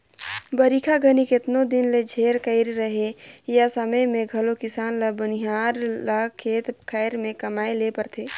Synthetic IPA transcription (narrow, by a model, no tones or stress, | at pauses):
bəɾikʰaɡʱənikɪt̪nod̪ɪnled͡ʒʱeːɾkəɪɾɾəɦejasəməjmẽɡʱɐlokɪsaːnləbəniɦaːɾlakʰeːt̪kʰəɪɾmẽkɐmaːelepəɾt̪ʰeː